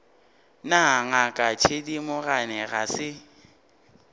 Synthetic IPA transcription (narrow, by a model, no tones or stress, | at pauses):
naŋakʼat͡ʃʰedimʊɣanɛɣasɪ